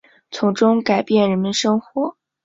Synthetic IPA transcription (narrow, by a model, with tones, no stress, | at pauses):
t͡sʰʊ˧˥ŋʈ͡ʂʊ˥ŋka˨˩ɪpjɛ˥˩nɻə˧˥nmə˧nʂɤ˥ŋxwɔ˨˩˦